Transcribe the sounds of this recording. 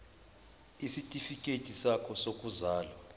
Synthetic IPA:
isitʼifikʼed̥ʱʼisakʰɔsokʼuzaːlwa

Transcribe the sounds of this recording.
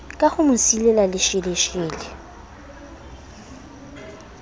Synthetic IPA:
kʼaχʊmʊsilɛlalɪʃɪlɪʃiːlɪ

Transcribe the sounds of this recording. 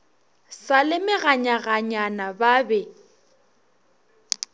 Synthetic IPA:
salɪmɪɣaɲaɣaɲanababɛ

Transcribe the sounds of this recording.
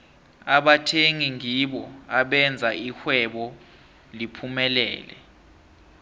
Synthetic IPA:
aɓatʰeŋiŋiɓɔaɓɛnd͡zʱaixwɛɓɔ | lipʰumɛlɛ̰ːlɛ̰

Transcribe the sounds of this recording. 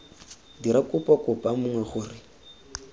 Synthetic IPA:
diɾakʼʊpʼɔkʼʊpʼamʊŋwɛχʊrɪ

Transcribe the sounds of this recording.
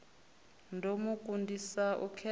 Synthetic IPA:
ndʱomukʼundʱisaʔṵkʰɛ

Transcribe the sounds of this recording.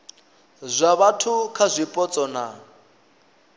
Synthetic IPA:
zʷaβatʰukʰazʷipʼɔt͡sʼɔna

